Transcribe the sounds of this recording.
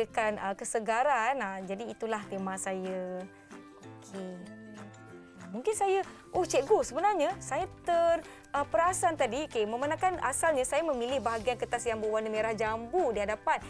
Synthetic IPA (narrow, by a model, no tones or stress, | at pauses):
əkanəkəsəɡaɾanad͡ʒadiːt̪ulaht̪emasajə | okʰe | muŋkɪnsajə | ʔɔht͡ʃɛʔɡusəbənarɲasajat̪ər | əpəɾasant̪adiokeməmanãkana̰salɲəsajamə̃milɪhbaɦaɡiankət̪asjaŋbəwanəmeɾahd͡ʒambudiɦadapan